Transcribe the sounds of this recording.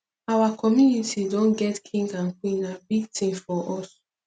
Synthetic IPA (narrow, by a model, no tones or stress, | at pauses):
awakʰɔmjunitʰidõnɡɛtkʰĩŋɡãŋ̩kĩnabitʰĩnfɔʔɔs